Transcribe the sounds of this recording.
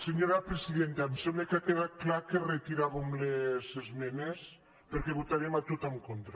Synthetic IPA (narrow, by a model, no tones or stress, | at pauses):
seɲoɾapɾesiðent̪amsemlekakeðat̪̚klakeret̪iɾaβemlezezmɛnes | peɾkeβut̪aɾiemat̪ot̪amkont̪ɾa